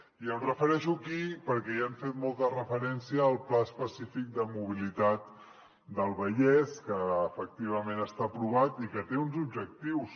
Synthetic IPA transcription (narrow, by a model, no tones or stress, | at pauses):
iərəfəɾɛʃukipəɾkɛiaɱfet̪mɔlˠt̪ərəfəɾɛnsiəːlˠplaspəsifik̚d̪əmuβ̞ilit̪at̪̚ | d̪əlˠβəʎɛskəːfək̚t̪iβ̞əmẽnəst̪apɾuβ̞at̪ikət̪eunzubʒək̚t̪iws